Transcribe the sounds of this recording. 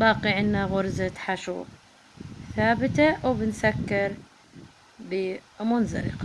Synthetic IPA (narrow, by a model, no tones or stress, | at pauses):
baːqiʔɪnːaɣʊɾzat̪ħaʃṵ | θaːbɪt̪awbɪnsakːɪɾ | bɪmʊnzɑ̰lɪ̰q